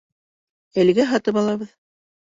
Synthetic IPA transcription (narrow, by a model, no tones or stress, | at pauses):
ælɡæɦɑt̪ɤpɑlˠɑβɤð